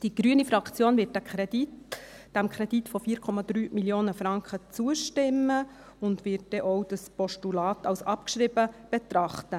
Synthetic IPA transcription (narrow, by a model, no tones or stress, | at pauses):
d̥iɡ̥ɾyənifɾɑkt͡sjoːnvɪt̚dækʰɾɛdit | d̥æmkʰɾɛd̥it̪fofiːɾkʰɔmɑd̪̥ɾyːmiljoːnəfɾɑŋkχət͡suəʃtɪmːə | ʊndʋɪt̚dɛʔowd̥əspɔʃtulɑːt̪ʰɑwsɑpkʃɾibəb̥ɛt̪ɾɑχtə